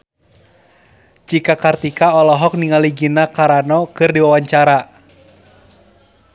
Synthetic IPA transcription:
d͡ʒikakart̪ikaɔlɔɦɔk̚niŋaliɡinakaɾanɔkɨrdiwawaɲt͡ʃaɾa

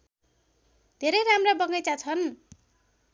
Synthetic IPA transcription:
d̪ʱeɾʌjɾamrabʌŋʌjt͡sat͡sʰʌn

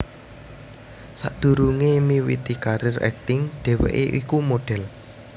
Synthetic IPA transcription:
sa̰ʔd̪̥ṳɾuŋemiwḭt̪ikaɾɪrɛ̰k̚t̪ɪŋɖ̪̥ɛ̤wḛʔeʔikumoɖ̥ɛ̤l

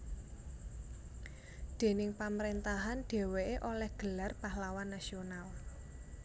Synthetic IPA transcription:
d̪̥e̤nɪŋpamɾent̪aɦanɖ̥e̤weeʔolɛhɡ̥ə̤larpahlawanːasional

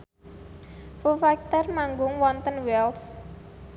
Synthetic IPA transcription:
fufak̚t̪ɔrmaŋɡʊŋwɔnt̪ənwɛls

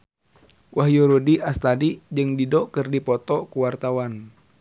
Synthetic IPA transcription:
wʔaɦjoɾudiʔast̪adid͡ʒɨŋdidɔkɨrdipɔt̪ɔkuwart̪awan

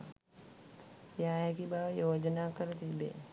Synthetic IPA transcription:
jaːɦekibaːjoːd͡ʒnakəɾt̪ibḛː

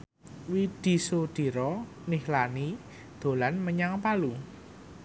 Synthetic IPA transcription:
wid̪̥i̤sod̪̥i̤ɾɔ | nihlani | d̪̥o̤lanməɲaŋpalu

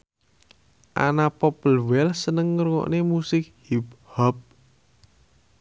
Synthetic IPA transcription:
ʔa̰napɔpəlwɛlsənəŋːəɾŋɔ̰ʔnemusɪk̚hiphɔp̚

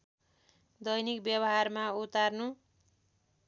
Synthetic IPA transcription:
d̪ʌjnikbjʌbʌɦarmaut̪arnu

